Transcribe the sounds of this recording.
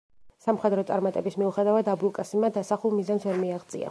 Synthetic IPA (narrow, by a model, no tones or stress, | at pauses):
samχɛd̪ɾɔt̪sʼaɾmat̪ʼɛbismiuχɛd̪avad̪abulˠkʼasimad̪asaχulˠmizansvɛɾmiaʁd̪sʼḭa̰